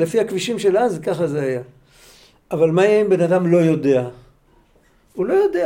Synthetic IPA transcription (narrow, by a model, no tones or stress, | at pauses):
lefiakviʃimʃe̞lazkaχazeaja | avalmajeimbe̞nad̪amlo̞jo̞de̞a | ulo̞jo̞de